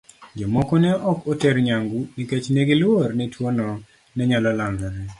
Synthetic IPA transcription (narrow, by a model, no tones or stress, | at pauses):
d͡ʒɔmɔkɔnɛʔɔkotɛɾɲaŋɡuniket͡ʃneɡɪlwornɛtwonɔ | nɛɲalɔlaŋɡaɾɛ